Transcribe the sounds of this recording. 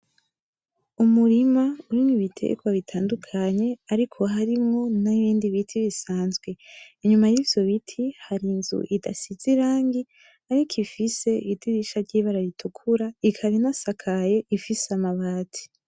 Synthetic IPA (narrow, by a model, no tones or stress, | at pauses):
umuɾimauɾimwiβitʰe̞̰ɡwaβitʰaːndukʰaɲe̞aɾikʰo̞ɦaɾimŋo̞naβiːndiβitʰiβisaːnzɡwe̞iɲumajiːvjo̞βitʰihaɾinzṵʔida̰siz̥iɾaːŋɡi | aɾikʰifise̞ʔidiɾiʃaɾɟiːβaɾaɾitʰukʰuɾaikʰaβinasakʰaje̞ʔifisamaβaːtʰi̥